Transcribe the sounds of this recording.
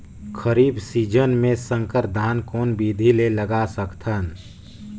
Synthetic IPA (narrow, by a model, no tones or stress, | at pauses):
kʰəɾiːbsiːd͡ʒənmẽsə̃ŋkəɾd̪ʱaːnkɔːnbiːd̪ʱileləɡasəkt̪ʰən